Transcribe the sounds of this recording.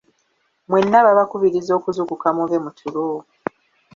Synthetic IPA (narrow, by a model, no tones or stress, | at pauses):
mwe̞nːaβaβakuβiɾizo̞ːkuzukukamuβe̞mutʰuɾo